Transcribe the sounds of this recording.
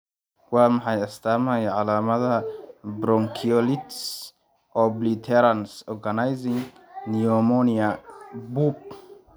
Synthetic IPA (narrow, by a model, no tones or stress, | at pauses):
ɡwamaħajast̪amhajʕalaːmɐd̪abɾɔŋkʰiɔlit̪s | ʔɔblit̪ʰɛɾansɔɾɡanajziŋ | niɔmoniabup̚